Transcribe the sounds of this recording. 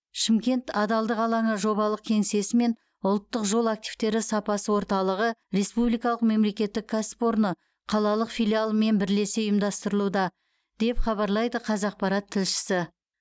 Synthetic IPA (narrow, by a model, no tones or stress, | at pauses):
ʃɪmkʲe̞nt̪ɑd̪ɑlˠd̪əqɑlˠɑɴəʒo̞βɑlˠəq̚kʲʰe̞ŋse̞sɪme̞n | ʊlˠt̪ːəqʒo̞lˠak̚t̪iv̥t̪e̞ɾɪsɑpɑsəwo̞ɾt̪ɑlˠəʁəɾe̞spublijkɑlˠəqme̞mle̞kʲe̞t̪ːɪkʰːaspo̞ɾnə | qʰɑlˠɑlˠəqfʲijlʲijalˠəme̞nbɪɾle̞seʊjmd̪ɑst̪əɾəlˠud̪ɑ | d̪̥e̞pχɑβɑɾlˠɑjd̪əqʰɑzɑq̚pɑɾat̪ʰːɪlʃɪ̥sɪ